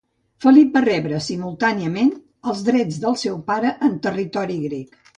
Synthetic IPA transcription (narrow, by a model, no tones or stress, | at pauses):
fəlip̚bərɛβɾəsimulˠt̪aniəmen | əlˠzðɾɛd͡zðəlˠsɛwpaɾəʔːnt̪ərit̪ɔɾiɣɾɛk